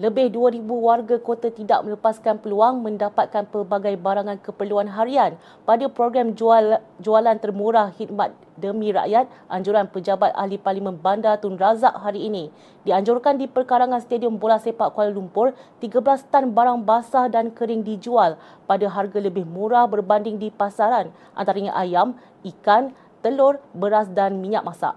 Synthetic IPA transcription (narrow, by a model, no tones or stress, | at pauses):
ləbɪhduəɾibuwarɡakot̪at̪ida̰ʔ̚mə̃ləpaskanpəluaŋmə̃ndapat̪̚kanpərbaɡajbaɾaŋãnkəpərluanɦaɾian | padapɾoɡɾamd͡ʒualant̪ərmuɾahhit̪̚mat̪̚ | dəmĩɾa̰ʔjat̪̚ʔaɲd͡ʒuɾanpəd͡ʒabat̪̚a̰ɦliparlimə̃nbandat̪ʊnrazaʔɦaɾiːnĩ | diaɲd͡ʒʊrkandipərkaɾaŋanst̪adiɔmbolasepaʔkualulumpʊrt̪iɡablast̪anbaɾaŋbasahdankəɾɪŋdid͡ʒual | padaɦarɡaləbɪhmũɾahbərbandɪŋdipasaɾan | ʔa̰nt̪aɾəɲaʔajam | ʔikan | t̪əlʊrbəɾasdanmĩɲaʔ̚masa̰ʔ